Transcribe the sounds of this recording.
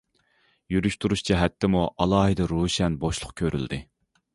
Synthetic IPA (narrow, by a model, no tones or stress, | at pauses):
jyɾyʃt̪ʰuɾuʃt͡ʃʰiɦɛt̪ʰːɪmuʔɑlˠɑːɦɨd̪ɨɾuːʃɛnboʃlˠʊqkʲʰøɾʔy̰ld̪ɪ